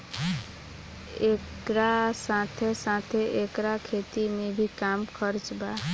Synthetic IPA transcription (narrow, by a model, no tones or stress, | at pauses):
ek | ɾasãt̪ʰesãt̪ʰeʔekɾakʰeːt̪imẽbʱikaːmkʰəɾt͡ʃbaː